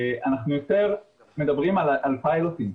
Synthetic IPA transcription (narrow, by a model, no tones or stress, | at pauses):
anaχnujot̪eʁ | med̪abʁimalʔalpajlotim